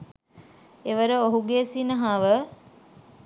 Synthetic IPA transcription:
eʋəɾəoɦuɡeːsinəɦaʋə

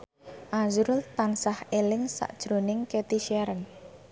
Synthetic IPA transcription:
ʔazuɾʊlt̪ansahelɪŋsa̰ʔd̥ʒ̥ɾo̤nɪŋket̪iʃaɾən

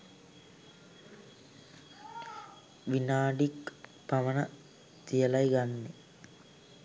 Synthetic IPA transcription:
ʋinaːɖik | pɐʋənə | t̪ijəlajɡanːe

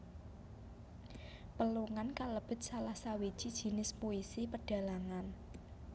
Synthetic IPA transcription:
pəluŋankaləb̥ə̤t̪̚salahsawid̥ʒ̥id̥ʒ̥i̤nɪspuisipəɖ̥ä̤laŋan

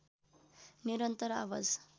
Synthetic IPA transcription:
niɾənt̪əɾa̰ʋə̰d͡z

